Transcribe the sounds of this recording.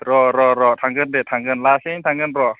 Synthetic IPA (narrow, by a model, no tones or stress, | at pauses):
ɾɔɾɔɾɔt̪ʰaŋɡɯndet̪ʰaŋɡɯnlaːsiŋt̪ʰaŋɡɯnɾɔ